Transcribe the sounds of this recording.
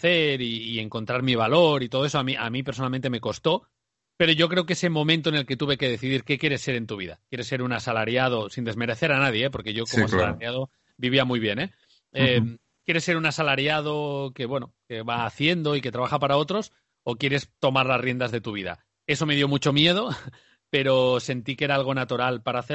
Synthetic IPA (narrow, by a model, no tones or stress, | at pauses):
aθe̞ɾiːe̞ŋko̞nt̪ɾaɾmiβ̞alo̞ɾit̪oð̞o̞es̬oamiʔamipeɾs̬onalment̪e̞me̞ko̞st̪o̞ | pe̞ɾo̞ʝo̞k̬ɾeokeese̞mõ̞mẽnt̪oene̞lket̪uβe̞ke̞ðe̞θiðiɾke̞kje̞ɾe̞sːe̞ɾe̞nt̪uβ̞iða̰kje̞ɾe̞sːe̞ɾunasalaɾjað̞o̞sind̪e̞zme̞ɾe̞θe̞ɾanað̞je̞ep̬o̞ɾke̞ʝo̞komasala̰ɾjaðo̞ | biβiamujβje̞ne̞ | em | kje̞ɾesːe̞ɾunasalaɾjað̞o̞ke̞βwe̞noke̞βaːθje̞nd̪o̞ike̞t̪ɾaβaxapaɾao̞t̪ɾo̞s | okje̞ɾe̞st̪o̞maɾlasrje̞nd̪azðe̞t̪uβ̞iða̰ | e̞so̞me̞ðjo̞mut͡ʃo̞mje̞ð̞o̞ | pe̞ɾo̞se̞nt̪ike̞ɾaalɣ̞o̞nat̪uɾalpaɾaːθe